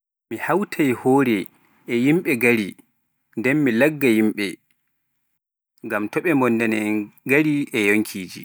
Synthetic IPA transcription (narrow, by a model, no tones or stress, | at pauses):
mihawtʰajhoːɾɛː | jimɓɛɡaɾi | ndɛnmilaɡːajimɓɛ | ŋɡamtɔɓɛmbɔndɛnɛɡaɾiɛjoŋkʰiːd͡ʒi